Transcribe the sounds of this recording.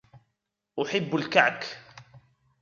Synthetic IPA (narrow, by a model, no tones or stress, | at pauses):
ʔʊħɪbːalkaʕk